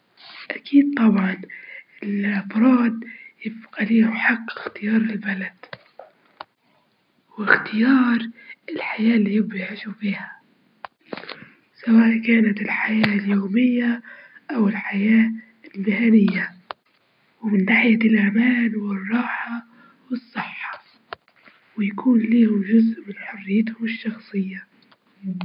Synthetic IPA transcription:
ʔakʰiːd̪̚t̪ˤɑbʕɑnɪlʔɑbɾˤɑːd̪jɪfqaliːmħaqːɪxt̪ɪjɑːɾˤɪlbalad̪̥ | wɪxt̪ɪjɑːɾˤɪlħajaːlːijɪbjʕiːʃufiːhḁ | sawaːʔkaːnat̪ɪlħajaːljoːmɪjːaʔawɪlħajaː | lbɪhaːnɪjːa | wɪmɪnːaːħɪjalʔamaːnwɪrˤːɑːħɑ | wɨsˤːɨħːɑ̥ | wɪjakʰuːnliːhʊmʒʊzʔmɪnħʊrːɪjːɪt̪hʊmɪʃːɑxsˤɨjːa

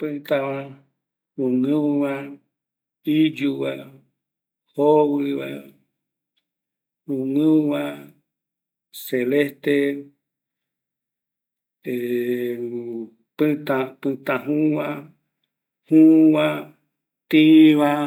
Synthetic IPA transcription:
pɨ̃t̪aβa | ɾũŋɨ̃βa | id͡ʒuβa | hoβɨβa̰ | ũŋɨ̃βa | selest̪e | e | pɨt̪ãpɨ̃t̪ãɦũβã | hũβã | t̪ĩβa

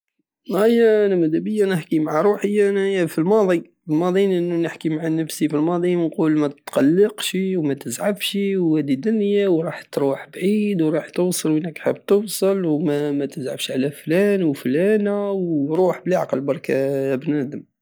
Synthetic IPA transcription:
æjæʔænæmæd̪æbəjːanəħkimaʕaɾˤuħəjːanæfilmɑd̪ˤi | ilmɑd̪ˤinʔənːunəħkimaʕanəfsifilmɑd̪ˤiənqulmæt̪t̪qɑlːəqʃiwmæt̪əzʕabʃiwæd̪id̪ʊnjawɾˤɑħt̪ɾuħbʕid̪wɾˤɑħt̪ʊwsˤəlwnækħəb̚ːt̪əwsˤəlwmæmæt̪əzʕəbʃʕlæflænwflænæwɾuħblaʕɑqəlbɑɾˤkabnæd̪əm

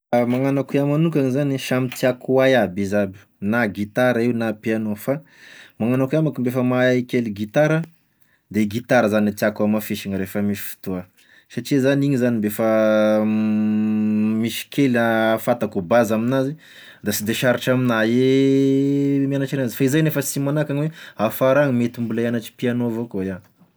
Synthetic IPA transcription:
maŋanakuamanukʲaŋizaniʃamit̪iakuajabizabi̥naɡit̪aɾaiwnapeanofa | maŋanakiamakumbefəmaaikʲeliɡit̪aɾə | d̪eɡit̪aɾəzaniat̪iakuamafeʃiŋəɾefəmisi̥fi̥t̪oa | saʈ͡ʂizaniɲizanimbefə | miʃi̥kʰelafat̪akubazaminazi | d̪asid̪eʃaɾiʈ͡ʂaminae | mianaʈ͡ʂinazi̥faizajnefəsimanakaɲiweafaɾaŋmet̪imbulaianaʈ͡ʂi̥pianovokoja

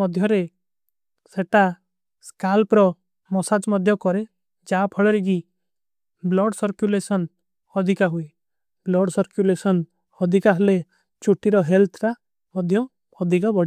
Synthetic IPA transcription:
mɔd̪ʱjɔɾe | seʈa | skalpɾɔ | mɔsad͡ʒmɔd̪ʱjɔkɔɾe | d͡ʒapʰɔɭɔɾiɡi | blɔɖsɔɾkjulesɔn | ɔd̪ʱikaɦue | blɔɖsɔɾkjulesɔn | ɔd̪ʱikaɦɔle | t͡ʃuʈiɾɔɦelt̪ʰɾa | mɔd̪ʱjɔ | ɔd̪ʱikabɔɽi

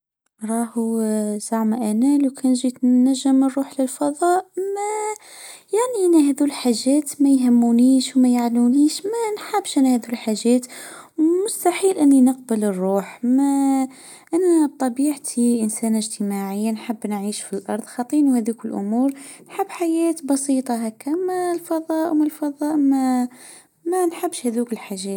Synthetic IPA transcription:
ɾˤɑːhuzaʕmaʔænæːlwkʰæːnʒit̪næʒːəmərˤːuːħlɪlfɑðˤɑːʔmæ | jaʕniʔænæɦæðulħaʒːæːt̪mæjɦəmːuniːʃwmæjaʕluniːʃmænħabːʃʔænæhæðulħaʒːæːt̪mʊst̪aħiːlʔɪnːinəq̚bələrˤːuːħmæ | ʔanæb̚t̪ˤɑbiːʕt̪ʰiʔənsæːnɪʒt̪ɪmaʕɪjːanħabːnʕiːʃfilʔɑɾˤðˤxɑt̪ˤiːnuhæðukɪlʔʊ̰muːɾnħabːħajæːt̪bɑsiːt̪ˤɑɦækːamælfɑðˤɑːʔwmalfɑðˤɑːʔmæ | mænħabːʃhæðuːkɪlħaʒæːt̪

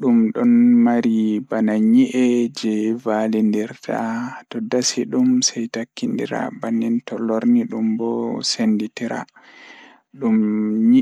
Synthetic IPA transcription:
ɗumɗɔnmaɾibanaɲiʔɛd͡ʒɛvalindiɾtʰatɔdasiɗumsɛjtakːindḭɾa̰banːintɔlɔɾniɗumbɔsenditiɾa̰ | ɗumɲi

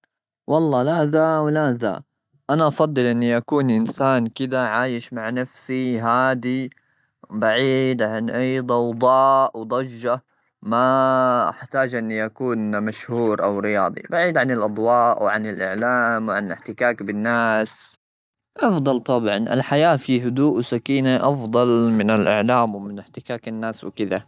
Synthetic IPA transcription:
wɑlˤːɑːlaðawlaða̰ | ʔanaʔɑfɑd̪ˤːɨlʔɪnːiʔakuːnʔɪnsaːnkɪd̪aʕaːjɪʃmaʕnafsiɦaːd̪i | baʕiːd̪ʕanʔajd̪ˤɑwd̪ˤɑːʔwd̪ˤɑd͡ʒːa | maʔa̰ħt̪aːd͡ʒʔɪnːiʔakuːnmaʃhuːɾʔawɾɪjɑːd̪ˤḭbaʕiːd̪ʕanɪlʔɑd̪ˤwɑːʔwʕanɪlʔɪ̰ʕlaːmwʕanʔɪħt̪ɪkaːkbɪnːaːs | ʔɑfd̪ˤɑlt̪ˤɑbʕɑnʔɪ̰lħajaːfiɦʊd̪uːʔwsakiːnaʔɑfd̪ˤɑlmɪnɪlʔɪ̰ʕlaːmwmɪnɪħt̪ɪkaːkɪnːaːswkɪd̪a

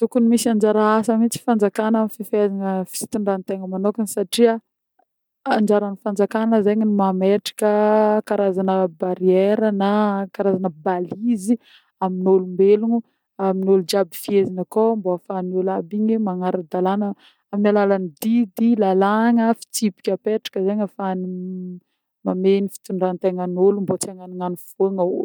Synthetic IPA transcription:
t̪ukunimisiand͡ʒaɾaasəmit͡si̥fand͡zakanamififazaŋəfi̥t͡si̥t̪iɳɖ͡ʐant̪eŋəmanokansaʈ͡ʂia | and͡ʒaɾanifand͡zakanəzeɲinumameʈ͡ʂḁkəkaɾazanəbaɾieɾənakaɾazanəbalizi | aminolumbeluɲu | aminolud͡ʒabifiezinakomboafanolabiɲimaŋaɾad̪alanə | aminalalanid̪id̪ilalaŋəfi̥t͡sipi̥kʲapeʈ͡ʂḁkʲəzeɲafani | mamenifi̥t̪uɳɖ͡ʐant̪eŋənolumbot͡seŋaniŋaniv̥oŋaṵ̥

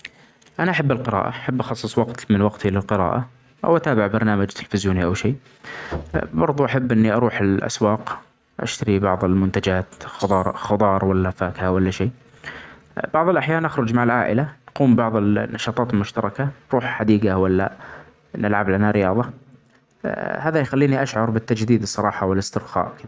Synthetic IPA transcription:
ʔanaʔaħabːɪlqɪɾa̰ːʔa̰ʔaħabːʔɑxɑsˤːɨsˤwɑqt̪mɪnwɑqt̪ilɪlqɨɾa̰ːʔa | ʔa̰wʔat̪aːbɪʕbɑɾˤnaːmad͡ʒt̪ʰɪlfɪzjuːniʔawʃeː | bɑɾˤðˤuʔaħabːʔɪnːiʔɑɾuːħɪlʔa̰swɑːq | ʔa̰ʃt̪aɾibɑʕðˤɪlmʊnt̪ad͡ʒaːt̪ː | xɑd̪ˤɑːɾˤwalːafaːkhawalːaʃeː | b̥ɑʕðˤɪlʔaħjaːnʔaxɾʊd͡ʒmaʕalʕa̰ːʔɪlanquːmbɑʕðˤɪlnːɑʃɑːt̪ˤɑːt̪ɪlmʊʃt̪ɑɾˤɑkaɾˤuːħħad̪iːɡawalːa̰ | nɪlʕablanaɾɪjɑːðˤɑ | haːðajxalːiːniʔaʃʕɑɾˤbɪt̪ːad͡ʒd̪iːd̪ɨsˤːɑɾˤɑːħɑwɪlɪst̪ɪɾxa̰ːʔkɪða

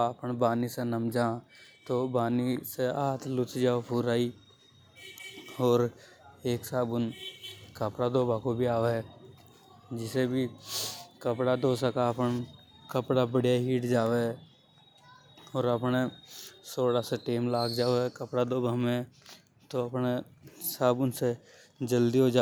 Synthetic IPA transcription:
əpnbaːnisenəmd͡ʒãːt̪obaːniseaːt̪ʰlʊt͡ʃd͡ʒaːopʰʊɾaːi | ɔːɾ | eːksaːbʊnkəpɽad̪oːbaːkobʱiaːʋeɛ | d͡ʒɪsebʱi | kəpɽad̪oːsəkaəpən | kəpɽabəɽijaɦiːʈd͡ʒaːʋeɛ | ɔːɾəpnesoːɽaseʈeːmlaːɡd͡ʒaːoɦɛkəpɽad̪oːbʱəmẽ | t̪oəpnesəbʊnse | d͡ʒəld̪iɦod͡ʒaː

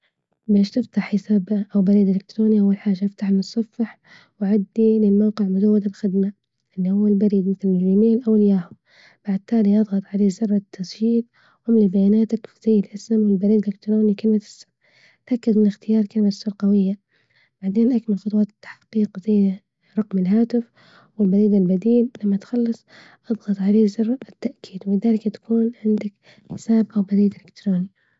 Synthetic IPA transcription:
beːʃt̪ɪft̪aħjɪsabʔawbaɾiːd̪ɪlɪkt̪ɾoːniʔawːalħaːʒaʔaft̪aħɪnɨsˤːɑfːɪħ | waʕad̪ːilɪlmawqɪʕmʊzawːad̪alxɪd̪ma | ʔɪlːihʊwːalbaɾiːd̪mɪθlɪljɪmeːlʔawɪljaːhʊ | b̥aʕd̪̚t̪ːaːliʔɑðˤɣɑt̪ˤʕaleːzɑrˤːɑt̪ʰːɑsˤwiːt̪ | hʔʊmlibajaːnaːt̪akfiz̥ajːɪlʔasɪmwɪlbaɾiːd̪ɪlɪkt̪ɾoːnikalmat̪ʔɪ̥sɪm | t̪ʔakːad̪mɪnɪxt̪ɪjɑːɾˤkalɪmasʊɾˤqawɪjːa | b̥aʕd̪eːnʔakmalxʊt̪ˤwɑːt̪ɪ̥t̪ːḁħqiːqzajː | ɾˤɑqmɪlɦaːt̪ɪf | wɪlbaɾiːd̪ɪlbad̪iːllamːat̪xɑlːɑsˤ | ʔɑðˤɣɑt̪ˤʕaleːzːɑrˤːɑɪt̪ːaʔkʰiːd̪wɪbɪd̪aːlɪkt̪ḁkuːnʕɪnd̪ak | ħɪ̥saːbʔawbaɾiːd̪ɪlɪkt̪ɾˤoːni

